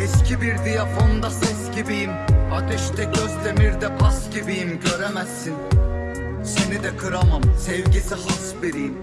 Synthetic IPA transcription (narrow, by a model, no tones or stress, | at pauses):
ɛscʰʲibiɾd̪ijafand̪asɛsɟibijimat̪ʰɛʃt̪ɛɟøzlʲeniɾd̪ɛpʰasɟibijimɟø̞ɾemɛsːin | senid̪ɛkʰɯɾamamsɛvɟisiɦasbiɾijim